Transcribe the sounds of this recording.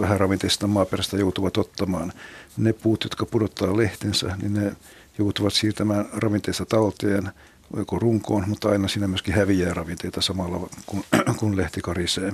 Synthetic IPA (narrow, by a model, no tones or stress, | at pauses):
ʋæhærɑʋint̪eist̪ɑmɑːperæst̪æjout̪uʋɑt̪ot̪ːɑmɑːnnepuːt̪jot̪kɑpudot̪ːɑːleht̪ensæ̰nḭnne | jout̪uʋɑt̪siːrt̪æmæːnrɑʋint̪eist̪ɑt̪ɑlt̪eːn | o̰okoruŋkoːnmut̪ːɑinɑsiːnæmyøskihæʋiæːrɑʋint̪eit̪ɑsɑmɑlːɑkunkunleht̪ikɑriseː